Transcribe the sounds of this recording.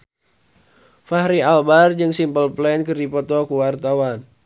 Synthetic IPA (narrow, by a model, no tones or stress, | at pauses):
faɦɾialbard͡ʒɨŋsimpəlplɛnkɨrdipɔt̪ɔkuwart̪awan